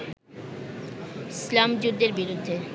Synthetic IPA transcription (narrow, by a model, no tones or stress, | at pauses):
slamd͡ʑud̪ːeɾbiɾud̪ʱːe